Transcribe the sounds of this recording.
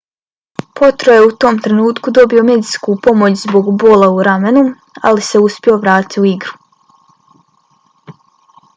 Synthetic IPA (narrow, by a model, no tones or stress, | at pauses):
po̞t̪ɾoje̞ut̪o̞ːmt̪ɾe̞nuːt̪kud̪o̞bio̞me̞d̪iskupo̞mot͡ɕzbo̞ɡbo̞ːlˠauɾamenu | a̰lise̞uspʲio̞ʋɾaːt̪iuiɡɾu̥